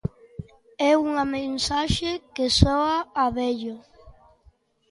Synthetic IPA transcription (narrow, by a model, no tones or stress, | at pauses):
ɛuŋɐmẽnsaʃekesɔaːβɛʎo